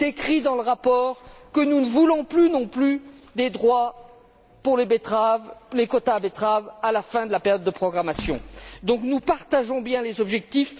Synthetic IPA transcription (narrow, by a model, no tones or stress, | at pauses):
t̪ekχid̪ɑ̃ləʁapɔʁkənunəvulɔ̃plynɔ̃plyd̪ed̪ʁwa | puʁlebet̪χavlekɔt̪aːbet̪χavalafɛ̃d̪əlapeʁjɔd̪ːəpχɔɡʁamasjɔ̰̃d̪ɔ̃knupaʁt̪aʒɔ̃bjɛ̃lezɔbʒɛk̚t̪if